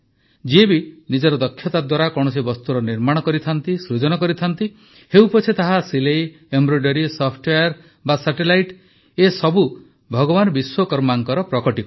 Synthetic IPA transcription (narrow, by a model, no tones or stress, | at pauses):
d͡ʒiebinid͡ʒɔɾɔd̪ɔkʰːjɔt̪ad̪waɾakɔɽ̃ɔsibɔst̪uɾɔniɾmaɽ̃ɔkɔɾit̪ʰant̪isɾud͡ʒɔnɔkɔɾit̪ʰant̪i | hewpɔt͡ʃʰet̪aɦasilej | embɾojɖɔɾisɔpʰʈeaɾ | basaʈelajʈ | esɔbu | bʱɔɡɔbanɔbiswɔkɔɾmaŋkɔɾɔpɾɔkɔʈik